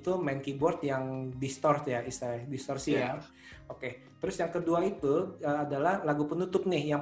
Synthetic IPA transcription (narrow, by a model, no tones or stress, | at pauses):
t̪umɛnkibɔrt̪̚jaŋdist̪ɔrtjaʔisadist̪ɔrsia | oke | t̪əɾʊsjaŋkəduait̪uəadalahlaɡupənut̪ʊp̚nɪhjaŋ